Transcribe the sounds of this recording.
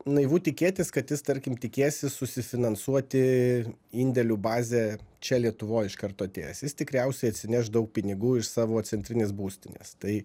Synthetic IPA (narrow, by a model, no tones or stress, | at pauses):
nɐɪʋuːt̪ʲɪkʲeːt̪ʲɪskɐt̪jɪst̪ɐɾʲkʲɪmt̪ʲɪkʲeːsʲɪsʊsʲɪfʲɪnɐnsuɔt̪ʲɪ | iːnʲd̪ʲɛlʲubɑːzʲeːt͡ʃʲɛlʲiɛt̪ʊʋoːjɪʃkɐɾt̪oːɐt̪ʲḛːjɛsjɪst̪ʲɪkɾʲɛʊsʲɛɪɐt̪ʲsʲɪnʲɛʃd̪ɐʊk̚pʲɪnʲɪɡuːɪʃsɑːʋoːt̪sʲɛnʲt̪ʲɾʲɪnʲeːsbuːsʲt̪ʲɪnʲḛːst̪ɐɪ